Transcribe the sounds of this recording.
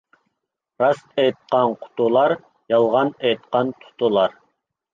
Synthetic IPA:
ɾɑst̪ɛjt̪̚qɑnqʰʊ̥t̪ʰulˠɑɾ | jɑlˠʁɑnɛjt̪̚qɑnt̪ʰʊ̥t̪ʰulˠɑɾ

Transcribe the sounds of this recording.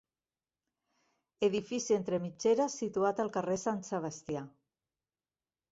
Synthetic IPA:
eðifisient̪ɾemit͡ʃeɾasit̪uat̪əlˠkaresanseβ̞ast̪ja

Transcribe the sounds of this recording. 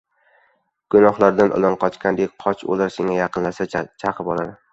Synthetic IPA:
ɡ̥ʊnɒχlˠaɾd̪anʔʊ̰lɒnqʰɒt͡ʃkʲand̪ek̚ʲqʰɒt͡ʃʰo̰laɾsɪŋajɑqɨnlasat͡ʃʰɑqʰɨpɒlˠad̪ɪ

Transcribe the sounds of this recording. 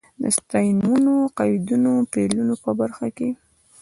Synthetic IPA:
d̪ə̰st̪ajnmunoqɑjd̪unopelunopəbaɾxake

